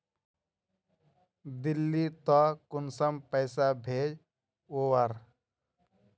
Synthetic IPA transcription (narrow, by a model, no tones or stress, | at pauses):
d̪ilːit̪ɔkʊnsəmpəɪsabʱeːd͡ʒ | oːwəɾ